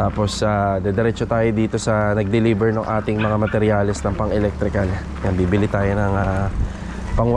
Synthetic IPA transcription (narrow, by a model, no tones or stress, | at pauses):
t̪aːpo̞sad̪ɛd̪ɛɾɛt͡ʃot̪aːjod̪iːt̪o̞sɐnɐɡ̚d̪ɛliːbɛɹnoŋʔaːt̪ɪŋmɐŋamɐt̪ɛɾjaːlɛsnɐŋpɐŋɛlɛk̚t̪ɾɪkɐl | nɐbiːbɪlɪt̪aːjo̞nɐŋa | pɐŋ